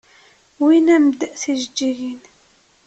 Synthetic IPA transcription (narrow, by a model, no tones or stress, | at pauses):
winæmd̪əʔθiʒəd͡ʒːiɣin